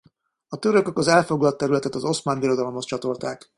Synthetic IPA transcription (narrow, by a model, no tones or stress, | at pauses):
ɒt̪øɾøkø̞kɒzɛlfo̞ɡlɒt̪ːɛɾylɛt̪ɛt̪ɒzo̞smaːnbiɾo̞d̪ɒlo̞mho̞st͡ʃɒt̪o̞lt̪aːk